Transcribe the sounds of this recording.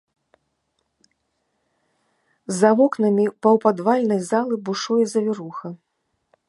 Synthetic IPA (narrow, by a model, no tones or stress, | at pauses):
zavɔknɐmʲipɐwpad̪valʲnɐjzalˠɨbuʂujɛzɐvʲɛɾuxɐ